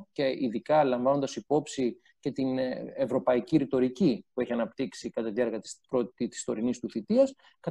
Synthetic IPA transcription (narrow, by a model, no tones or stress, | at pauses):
ceiðikɐlɐɱvɐno̞nd̪ɐsipo̞psi | ce̞t̪ine̞vɾo̞pɐiciɾit̪o̞ɾicipue̞çiɐnɐpt̪iksikɐt̪ɐt̪ieɾɣɐt̪i̥spɾot̪it̪i̥st̪o̞ɾinist̪uθit̪iɐs | kɐ